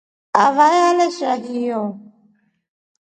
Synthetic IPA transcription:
avajalɛʃadijɔ

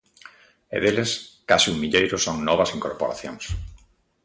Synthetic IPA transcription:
ḛðeleskasiuŋmiʎejɾʊsoŋnɔβ̞ɐsiŋkoɾpoɾaθjõ̰ŋs

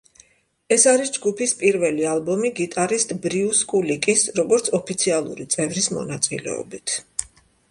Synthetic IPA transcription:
ɛsaɾisd͡ʒɡupʰispʼiɾvɛlialˠbɔmiɡit̪ʼaɾist̪ʼbɾiuskʼulikʼisɾɔɡɔɾt̪sʰɔpʰit̪sʰialˠṵɾit̪sʼɛvɾismɔ̰nat̪sʼḭlɛ̰ɔ̰bit̪ʰ

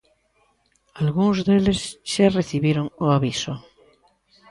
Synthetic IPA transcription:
alɣuŋzðelesʃareθiβjeɾoŋoaβiso

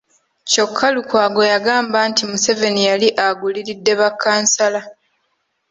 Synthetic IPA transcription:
co̞kʰːalukwaːɡo̞jaɡaːmbantimuse̞ve̞nijaliʔaɡuliɾidːe̞βakʰːaːnsala

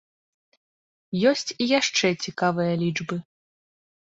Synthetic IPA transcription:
jɔsʲt͡sʲijaʂt͡ʂɛt͡sʲikavɨjɐlʲid͡ʐbɨ

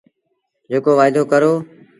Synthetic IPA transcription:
d͡ʒeːkoːʋaːɪd̪oːkəɾoː

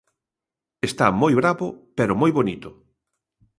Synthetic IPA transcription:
est̪a̰mojβɾaβʊpeɾʊmojβonit̪ʊ

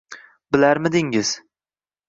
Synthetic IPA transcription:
bɪlaɾmɪd̪ɪŋɪz̥

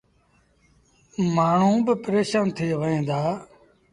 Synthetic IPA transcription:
maːɳ̤ũːbɪpəɾeːʃaːnt̪ʰeːʋəẽːnd̪aː

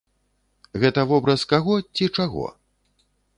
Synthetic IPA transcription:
ɣɛt̪ɐvɔbɾɐskaɣɔt͡sʲit͡ʂaɣɔ̰

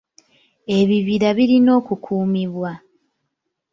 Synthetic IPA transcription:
e̞βiβiɾaβiɾino̞ːkukʰuːmiβwa

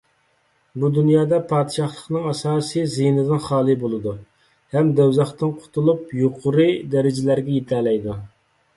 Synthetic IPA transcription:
bud̪unjɑːd̪ɑpʰɑːd̪ɪʃɑχlˠəqnɨŋɑsɑːsɨjzinɨd̪ɨnχɑːlˠɨbolˠɨd̪u | hɛmd̪ɛwzɑχt̪ɨnqʰʊ̥t̪ʰulˠupjoqʰʊɾɨd̪ɛɾɪd͡ʒɪlæɾɡʲɛjet̪ʰælɛjd̪u

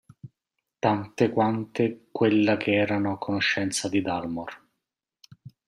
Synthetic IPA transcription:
t̪ant̪ekwant̪ekwelːakʰeɛːɾanokonoʃːɛnt̪sad̪id̪almor

